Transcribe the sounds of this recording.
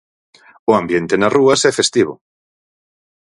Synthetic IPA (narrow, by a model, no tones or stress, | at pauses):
ʊambjent̪enaruɐsɛfest̪iβ̞ʊ̰